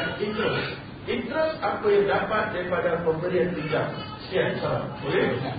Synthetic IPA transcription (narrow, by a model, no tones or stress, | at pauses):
int̪ɾɛs | int̪ɾɛsapajaŋdapat̪̚daɾipadapəmbəɾiantiɡa | siansaɾa̰boli